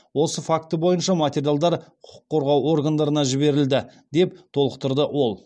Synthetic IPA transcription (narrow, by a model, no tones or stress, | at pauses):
wo̞səfakt̪əbo̞jənʃɑmat̪ʲe̞ɾjalˠd̪ɑɾqʰʊ̥qʰʊ̥qʰːo̞ɾʁɑwo̞rɡand̪ɑɾənɑʒɪbe̞ɾɪld̪ɪd̪e̞pt̪ʰo̞lˠəqt̪əɾd̪əʔwo̞lˠ